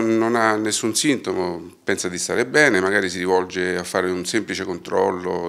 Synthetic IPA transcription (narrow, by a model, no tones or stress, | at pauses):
onanːesːunsint̪omo | pɛnsad̪ist̪a̰ɾebɛːnemaɡaːɾisiɾivɔld͡ʒeafːaːɾeunsemplit͡ʃekont̪ɾɔ̰lːo̰